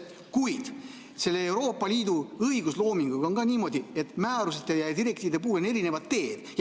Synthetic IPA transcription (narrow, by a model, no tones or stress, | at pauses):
kujd̪̥ | se̞lːeewɾo̞ːpːˑɑliːd̪̥uɤijɡ̥uslo̞ːmiŋɡ̥uɡonɡɑnʲiːmo̞d̪̥ie̞t̪ːˑmæːɾus̬et̪ːˑejɑjd̪iɾe̞k̚t̪iːvid̪ep̬uːleneɾinevɑt̪ːe̞ːd̪̥j